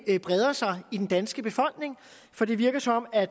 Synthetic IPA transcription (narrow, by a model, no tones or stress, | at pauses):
b̥ʁɛð̞ˠɐsɑ̈ɪid̥en̩d̥ænsɡ̥əb̥e̝fɒ̽l̰ɡ̥ne̝ŋ | fɒ̽d̥e̝ʋiɐɡ̥ɐsɒ̽mɒ̽mæ̥